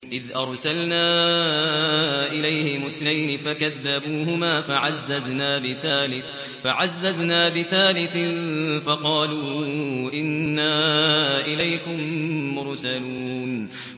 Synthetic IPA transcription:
ʔɪðʔɑɾˤsalnaː | ʔɪlajhɪmʊθnajnɪfakaðːabuːhʊmaːfaʕazːaznaːbɪθaːlɪθ | faʕazːaznaːbɪθaːlɪθɪnfɑqɑːluːʔɪnːaːʔɪlajkʊmːʊɾsalun

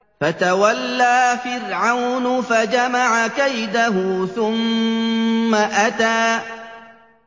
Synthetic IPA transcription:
fat̪awalːaːfɪrʕawnfad͡ʒamaʕakajd̪aɦʊθʊmː | aʔat̪aː

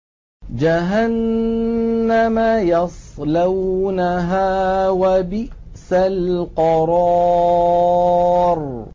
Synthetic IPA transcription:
d͡ʒaɦanː | amajɑsˤlawnaɦaːwabɪʔ | salqɑɾˤɑ | ɾˤ

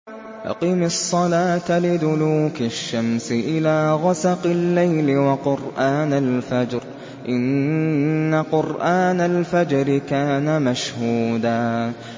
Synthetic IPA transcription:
ʔɑ̰qiːmsˤːɑlaːt̪alɪd̪ʊluːkaʃːamsɪʔɪlaːɣasɑqɪlːajlɪwɑqʊɾʔaːnalfad͡ʒɾ | ʔɪnː | aqʊɾʔaːnalfad͡ʒɾɪkaːnamaʃhuːd̪aː

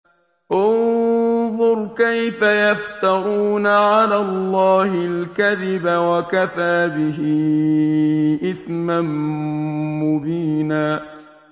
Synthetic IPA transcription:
ʔʊ | ðˤʊɾkajfajaft̪aɣuːnaʕalaːlˤːɑːhɪlkaðɪbawakafaːbɪɦɪ | ʔɪsman | mʊbiːnaː

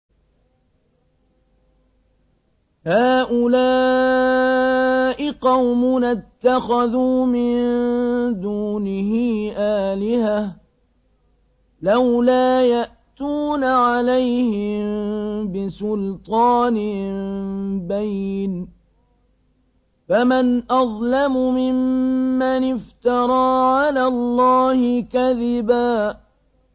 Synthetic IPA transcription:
haːʔʊlaː | ʔɪqɑwmʊnat̪ːaxaðuːmɪnd̪uːnɪhiːʔaːlɪha | lawlaːjaʔt̪uːnaʕalajhɪmbɪsʊlt̪ˤɑːnɪ | bajn | famanʔɑðˤlamʊmɪmːanɪft̪ɑɾˤɑːʕalaːlˤːɑːhɪkaðɪbaː

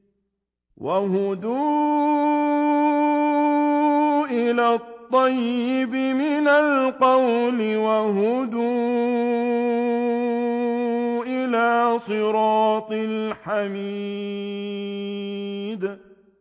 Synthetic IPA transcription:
wʔahʊd̪uː | ʔɪlaːt̪ˤːɑjːɪbɪmɪnalqɑwlɪwaɦʊd̪uː | ʔɪlaːsˤɨɾɑːt̪ˤɨɪlħami | d̪

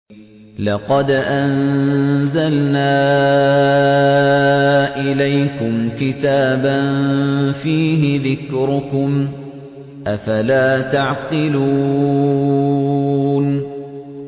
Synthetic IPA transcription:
lɑqɑd̪ʔan | zalnaː | ʔɪlajkʊmkɪt̪aːbanfiːɦɪðɪkɾʊkʊm | ʔafalaːt̪aʕqɨluː | n

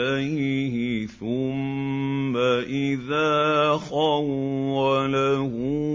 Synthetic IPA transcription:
ajhɪθʊmː | aʔɪðaːxɑwalahʊ

